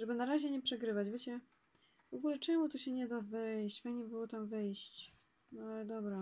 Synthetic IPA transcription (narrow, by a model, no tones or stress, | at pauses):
ʐɛbɘnaɾaʑɛɲɛpʂɛɡɾɘvad͡ʑvʲet͡ɕɛ | vɔɡulɛt͡ʂɛmut̪ɔɕɛɲɛd̪avɛjɕt͡ɕfaɲɛbɘwɔt̪amvɛjɕt͡ɕ | nɔd̪ɔbɾa